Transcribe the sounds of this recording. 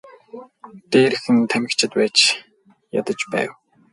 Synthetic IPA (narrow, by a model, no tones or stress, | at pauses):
t̪eːɾɘ̆xɘ̆nt̪ʰæmʲɪ̆kt͡ɕʰɪ̆t̪pæːt͡ɕ | ja̰t̪ə̆t͡ɕpæ̰ːw